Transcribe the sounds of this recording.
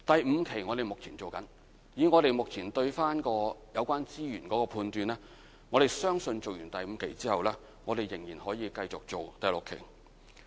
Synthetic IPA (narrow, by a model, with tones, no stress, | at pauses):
t̪ɐ˨jm̩˨˧˥kʰe˨˩jŋɔː˨˧ɾe˨jmʊ˨k̚t͡sʰiː˨˩nt͡so˨wkɐ˨˥n | jiː˨˥ŋɔː˨˧ɾe˨jmʊ˨k̚t͡sʰiː˨˩nt̪ɵ˧ɥfaː˥nkɔː˧jɐ˨˧wkʷaː˥nt͡siː˥jyː˨˩nkɔː˨˥kɔː˧pʰuː˧nt̪yː˧nlɛː˥ | ŋɔ˨˧ɾe˨˩jsœː˥ŋsɵ˧nt͡so˨wjyː˨˩nt̪ɐ˨jm̩˨˧kʰe˨˩jt͡siː˥hɐ˨wlɛː˥ | ŋɔː˨˧d̪e˨˩jːɪ˨˩ŋjiː˨˩nhɔː˨˥jiː˨˧kɐ˧jt͡sʊ˨k̚t͡so˨wt̪ɐ˨jlʊ˨kʰːḛ˨˩j